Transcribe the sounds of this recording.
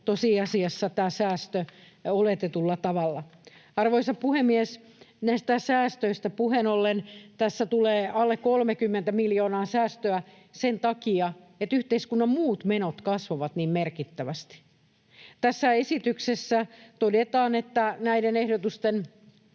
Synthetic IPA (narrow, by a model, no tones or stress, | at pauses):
t̪osiɑsiɑsːɑt̪æːsæːst̪ø | olet̪et̪ulːɑt̪ɑʋɑlːɑɑrʋoisɑppuhemːies | næist̪æsæːst̪øist̪æpuhenolːent̪æsːæt̪uleːʔɑlːekkolmekymːent̪æmiljoːnɑːsæːst̪øæ | sent̪ɑkiɑ | et̪yht̪eiskunːɑmmuːt̪menot̪kɑsʋoʋɑt̪niːmmerkit̪ːæʋæst̪i̥ | t̪æsːæesit̪yksesːæt̪odet̪ɑːnet̪ːænæidenehdot̪ust̪en